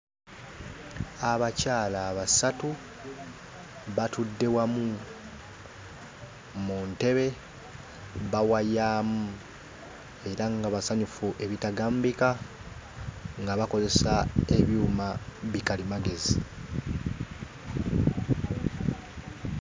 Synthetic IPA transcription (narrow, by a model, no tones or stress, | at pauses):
aβacaːlaːβasatu | βatudːe̞wamu | munte̞βe̞ | βawajaːmu | e̞ɾaŋɡaβasaɲufuʔe̞βitaɡaːmbika | ŋɡaβako̞ze̞sae̞βjuːmaβikalimaɡe̞zḭ